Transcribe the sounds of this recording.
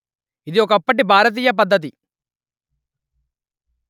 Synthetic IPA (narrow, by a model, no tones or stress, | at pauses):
id̪iɔk̬ɐpːɐʈibʱaːɾɐt̪̬iːjɐp̬ɐd̪ːɐt̪̬i